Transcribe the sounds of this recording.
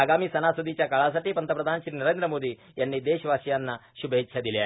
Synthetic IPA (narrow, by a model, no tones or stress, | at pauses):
aːɡaːmisɐnaːsud̪it͡ʃɐkaːɭaːs̬ɐʈːipɐnt̪ɐpɾɐd̪ʱaːnʃɾiːnɐɾeːnd̪ɾɐmoːd̪i | jɐnːid̪eːʃɐʋaːʃjaːnːɐʃubʱɐɦitːʃʰɐd̪ilje